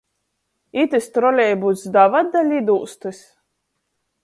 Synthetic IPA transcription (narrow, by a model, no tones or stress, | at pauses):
it̪ɨst̪ɾɔlʲɛjbut̪sd̪avad̪ːalʲid̪uːst̪ɨsʲ